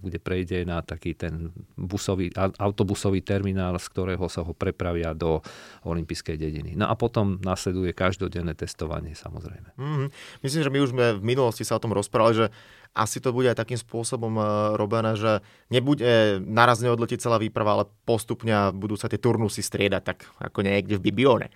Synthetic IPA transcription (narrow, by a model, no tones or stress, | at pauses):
ɡɟɛpɾɛjɟɛnat̪akiːt̪ɛnbusɔʋiːʔaaʊt̪ɔbusɔʋiːt̪ɛɾminaːlskt̪ɔɾɛːɦɔsaɦɔpɾɛpɾaʋɪad̪ɔɔlimpiːskɛjɟɛɟḭnḭnɔ̰ʔapɔt̪ɔmnaslɛd̪ujɛkaʒd̪ɔɟɛnːɛːt̪ɛst̪ɔʋa̰ɲɪɛsa̰mɔ̰zɾɛ̰jmɛɦ̩mis̬limiʒɛmiuʒzmɛvminulɔscisaɔt̪ɔmɾɔspɾaʋaliʒɛ | ʔa̰sit̪ɔbuɟɛajt̪akiːmspʊɔsɔbɔmɾɔbɛnɛːʒɛ | ɲɛbuɟɛnaɾazɲɛɔd̪lɛcic̚t͡sɛlaːʋiːpɾaʋaalɛpɔst̪upɲɛabud̪uːsat̪ɪɛt̪uɾnusist̪ɾɪɛd̪ac̚t̪aka̰kɔɲɛjɛɡɟɛvbibiɔːɲɛ̰